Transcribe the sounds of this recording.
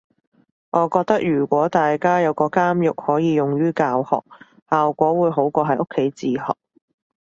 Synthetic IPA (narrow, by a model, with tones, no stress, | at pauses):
ŋʔɔː˨˧kɔː˧k̚t̪ɐ˥k̚jyː˨˩kʷɔː˨˥t̪aː˨jkaː˥jɐ˨˧wkɔː˧kaː˥mjʊ˨k̚hɔː˨˥jiː˨˧jʊ˨˩ŋjyː˥kaː˧whɔ̰ː˨k̚ | haː˨wkʷɔː˨˥wuː˨˧˥jɦo˨˥wkʷɔː˧ɦɐ˨jʔʊ˥kʰːe˨˥jt͡siː˨hɔ̰ː˨˩k̚